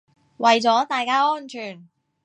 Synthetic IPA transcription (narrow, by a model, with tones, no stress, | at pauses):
wɐ˨˩jt͡sɔː˨˥t̪aː˨jkaː˥ɔː˥nt͡ʃʰyː˨˩n